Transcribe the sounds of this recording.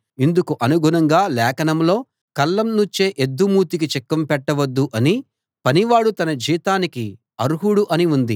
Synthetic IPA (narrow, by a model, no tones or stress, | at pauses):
ind̪ukuʔɐnuɡʱunɐŋɡaːlɛːkɐnɐmlo̞ː | kɐlːɐmnuɲt͡ʃeːʔed̪ːumuːt̪ik̬it͡ʃɛkːɐmpɛʈːɐʋɐd̪ːuʔɐni | pɐniʋaːɽut̪ɐnɐd͡ʒiːt̪aːniki | ɐɾuɦuɽuʔɐniund̪i